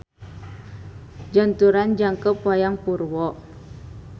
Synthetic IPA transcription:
d͡ʒant̪uɾand͡ʒaŋkəpwajaŋpurwɔʔ

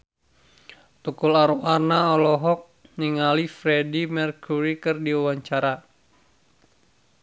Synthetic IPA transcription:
t̪ukulaɾuʔarnaɔlɔɦɔk̚ɲiŋalifɾɛdimɛrkʰuɾikɨrdiuwaɲt͡ʃaɾa

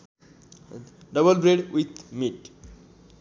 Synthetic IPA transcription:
ɖʌbəlbɾeɖwit̪miʈ

